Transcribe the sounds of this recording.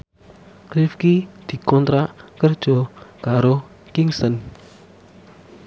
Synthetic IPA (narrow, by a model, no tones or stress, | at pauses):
kɾifkid̪̥i̤kɔnt̪ɾaʔkərd̥ʒ̥ɔkaɾo | kiŋsən